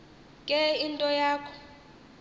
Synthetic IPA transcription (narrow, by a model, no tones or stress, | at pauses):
kʼɛintʼɔjaːkʰɔ̥